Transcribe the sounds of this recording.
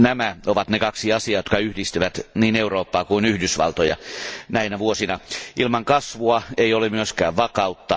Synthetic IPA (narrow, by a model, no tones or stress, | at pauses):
næmæoʋɑt̪nekɑksiɑsiɑːjot̪kɑyhdist̪yʋæt̪niːneuroːpːɑːkuinyhdysʋɑ̰lt̪ojɑ̰næinæʋuosinɑʔilmɑŋkɑsʋuɑeiolemyøskæːʋʋɑkɑut̪ːɑ